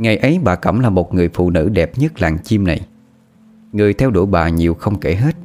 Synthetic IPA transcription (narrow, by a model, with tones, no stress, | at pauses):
ŋa˨˩jʔə˨˦jɓaː˨˩kə̰˧˩mlaː˨˩mo˨˩t̚ŋɨ˨˩əjfṵ˧˨nɨ̰˧˥ɗɛ˨˩p̚ɲə˦˥t̚laː˨˩ŋt͡ɕi˧mna˨˩j | ŋɨ˨˩əjt̪ʰɛ˧wɗu˧˩jɓa̰ː˨˩ɲi˨˩əwxə˧wŋ͡mke˧˩ɦe˦˥t̚